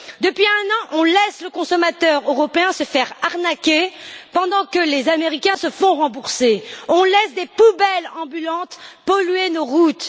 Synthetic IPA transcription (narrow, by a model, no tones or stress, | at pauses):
d̪əpɥiɛ̃nɑ̃ʔɔ̃lɛsləkɔ̃sɔmat̪œʁøʁɔpeɛ̃səfɛʁaʁnakʲepɑ̃d̪ɑ̃kəlezameʁikʲɛ̃səfɔ̃ʁɑ̃buʁseɔ̃lɛsd̪epubɛlɑ̃bylɑ̃t̪pɔlɥenoʁut̪